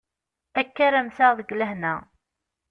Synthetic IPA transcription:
ækːæɾæmθaʁðəɡʷlæɦnæ

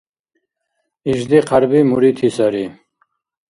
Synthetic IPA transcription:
iʒd̪iqʰaɾbimuɾit̪ʰisaɾi

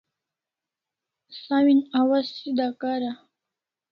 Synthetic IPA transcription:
sawinawassid̪akaɾa

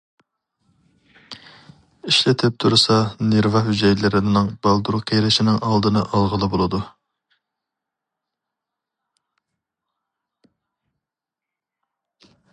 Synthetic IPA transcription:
iʃlɪt̪ʰɪp̚t̪ʰuɾsɑneɾvɑɦyd͡ʒɛjlɪɾɪnnɪŋbɑlˠd̪uɾqʰejɾɪʃinɪŋɑlˠd̪ɨnɨʔɑlˠʁəlˠɨbolˠɨd̪u

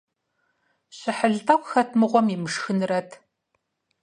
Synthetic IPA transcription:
ɕɪħəɮtʼɐkʷxɐtʰmɨʁʷɔmimɨʂxɨnɨrɐtʰ

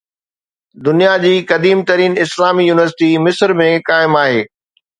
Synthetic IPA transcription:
d̪ʊnijad͡ʑiːkɐd̪iːmt̪ɐɾiːnɪslaːmijuːnɪʋəɾsɪʈimɪsɾmẽkaːɪmaːɦeː

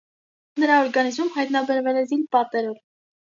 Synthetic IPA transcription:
nəɾɑɔɾɡɑnizmumɦɑjt̪nɑbɛɾvɛlɛzinpɑt̪ɛɾɔv

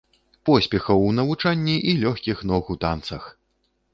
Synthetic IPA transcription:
pɔsʲpʲɛxɐwnɐvut͡ʂanʲːiʔilʲɔxʲkʲixnɔɣut̪ant̪sɐx

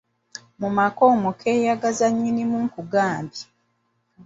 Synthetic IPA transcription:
mumakoːmokʰeːjaɡazaɲːinimuŋkuɡaːmbi

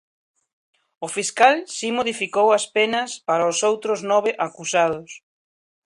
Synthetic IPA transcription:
ʊfiskalsimoð̞ifikowɐspenɐspaɾaosowt̪ɾʊznɔβɪʔakusað̞ʊs

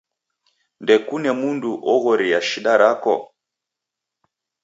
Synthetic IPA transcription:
ndɛkunɛmunduʔɔɣɔɾiaʃiɗaɾakɔ̰

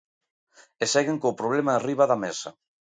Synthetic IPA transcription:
esɛɣeŋkowpɾoβ̞lemariβaðamɛsa

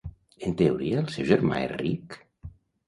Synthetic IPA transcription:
ent̪euɾiaːlˠsɛwʒeɾma̰ḛrik

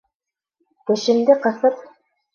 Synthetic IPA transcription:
kɘ̆ʃɘ̆nd̪ɘqɤ̆θɤp

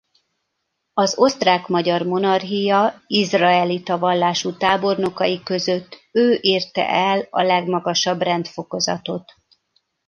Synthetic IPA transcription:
ɒzo̞st̪raːkmɒɟɒrmo̞nɒrɦijɒizrɒɛlit̪ɒvɒlːaːʃut̪aːbo̞rno̞kɒjikø̞zø̞t̪ːøːʔiːrt̪ɛ̰ʔɛlɒ̰lɛɡmɒɡɒʃɒbrɛnt̪fo̞ko̞zɒ̰t̪o̞t̪

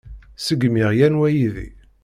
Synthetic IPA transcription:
səɡmɪʁjænwæjiðḭ

